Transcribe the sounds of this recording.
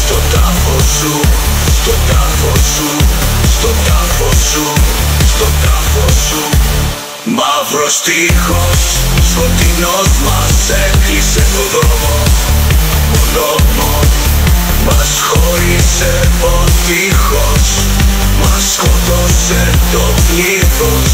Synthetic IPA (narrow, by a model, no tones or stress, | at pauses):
st̪ot̪ɐfosu | st̪ot̪ɐfosust̪ot̪afosust̪ot̪ɐfosu | mɐvɾost̪ixosfot̪inozmɐseklise̞t̪oðomo | onomo | mɐsxoɾise̞ | ot̪ixos | mɐskotoset̪ovliθos